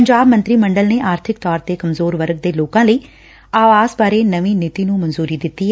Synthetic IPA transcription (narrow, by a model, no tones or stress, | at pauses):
əɲd͡ʒaːbmənt̪ɾiːməɳɖəlneːʔaːɾt̪ʰɪkt̪ɔːɾt̪eːkəmzoːɾʋəɾɡ̚d̪eːloːkãːləiː | aːʋaːzbaːɾeːnəʋiːnɪt̪iːnũːmənzuːɾiːd̪ɪt̪ːiːɦ